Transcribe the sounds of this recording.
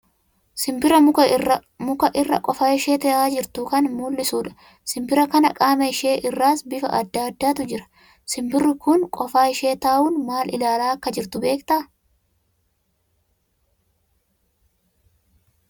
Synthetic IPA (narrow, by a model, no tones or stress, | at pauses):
sɪmbɪɾɐʊ | mʊkɐʔɪrːɐ̰kʼɔfaːɪʃeːt̪ɐʔaːd͡ʒɪɾt̪ʊkɐnmuːlːɪsuːᶑɐ̥ | sɪmbɪɾɐkɐnɐkʼaːmɐɪʃeːʔɪrːaːsbɪfɐ̰ʔɐd̪ːaːɐd̪ːaːt̪ʊd͡ʒɪɾɐ̥ | sɪmbɪrːɪkʊnkʼɔfaːɪʃeːt̪aːʔuːnmaːlʔɪ̰laːlaːɐkːɐd͡ʒɪɾt̪ʊbe̞ːkt̪ɐ